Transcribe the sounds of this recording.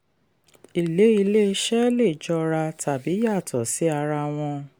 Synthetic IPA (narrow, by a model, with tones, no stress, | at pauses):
i˨le˨˦i˧le˦˧˦ʃɛ˦le˦˨d͡ʒɔ˧ɾa˧tʰa˨bi˨˦ja˦˨tʰɔ˨si˨˦a˧ɾa˧w̃ɔ̃˧